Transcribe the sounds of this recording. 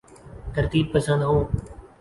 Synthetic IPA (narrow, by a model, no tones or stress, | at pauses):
t̪əɾt̪iːb̚pəsə̃nd̪ɦũː